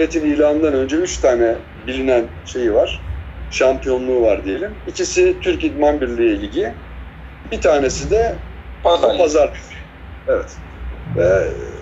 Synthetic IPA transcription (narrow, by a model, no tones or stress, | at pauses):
ɾet̪ʰinijlʲaːɯnd̪anø̞nd͡ʒɛyt͡ʃt̪ʰaːnɛ | bilʲinæn | ʃe̞jivaɾ̥ʃampijo̞nlˠuːvaɾd̪ije̞lʲimicisit̪ʰyɾcid̪manbiɾlʲijeilʲɟi | bit̪ʰaːne̞sid̪ɛ | pʰazpʰazaɾ | evɛt̪ | vɛ